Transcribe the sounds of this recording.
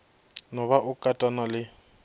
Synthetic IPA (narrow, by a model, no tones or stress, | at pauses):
nɔβaʔʊkʼatʼanalɪ